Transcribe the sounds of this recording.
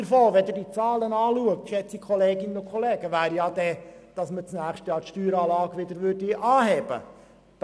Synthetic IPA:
əɾfɔlʋɛd̪dit͡sɑːlənɑːluəktʃɛt͡sikʰɔleːɡɪnːənokʰχɔleːɡ̥əʋæːɾjɑd̪ɛd̥ɑsmət͡snæːχʃtjɑːtʃtyːɾɑːlɑːɡ̥ʋɪd̪əɾʋʏɾdiʔɑːhɛːb̥ə̰ | d̥

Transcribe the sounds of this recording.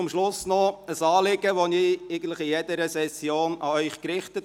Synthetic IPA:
ʊmʃlʊsnɔəsɑːlɪɡəʋonieɡən̩tləχijedəɾəsɛsjoːnɑœʏχkɾɪχtət

